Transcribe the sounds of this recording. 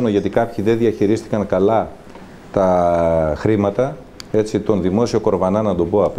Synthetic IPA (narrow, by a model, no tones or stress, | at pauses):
noʝɐt̪ikɐpçiðe̞nðiɐçiɾist̪i̥kɐŋkɐlɐ | t̪ɐ | xɾimɐt̪ɐ | e̞t͡sit̪o̞nðimo̞sio̞ko̞ɾvɐnɐnɐd̪o̞bo̞ɐp